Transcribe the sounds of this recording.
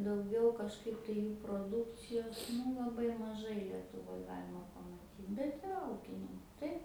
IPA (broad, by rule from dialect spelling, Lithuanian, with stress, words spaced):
dɐʊˈɡʲɛʊ kɐʃˈkɐɪp tɐɪ ˈjuː proːˈdʊkt͡sʲɪjoːs ˈnʊ lˠɐˈbɐɪ mɐˈʒɐɪ lʲiɛtʊˈʋoːj ˈɡɑːlʲɪmɐ pɐmɐˈtʲiːt bʲɛt ɪˈrɐ ˈuːkʲɪnʲɪŋkʊ ˈtɐɪp